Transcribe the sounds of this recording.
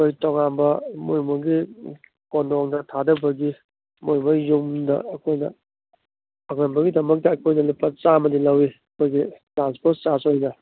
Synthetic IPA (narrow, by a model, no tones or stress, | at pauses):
kojtɔŋanbɐmojmoɡi | kondɔŋdɐtʰadɐbɐɡi | mojmojumdɐ̰ːkʰojnɐ̰ | ɐɡanbɐɡidɐmɐk̚tɐːkʰojnɐlipːɐt͡ʃamɐdilɐwiɐkʰojɡitɾanspoɾtt͡ʃasojnɐ